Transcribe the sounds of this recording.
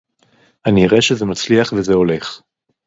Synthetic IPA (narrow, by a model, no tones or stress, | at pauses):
aniːʁeʃezemat͡sliaχvezeo̞le̞χ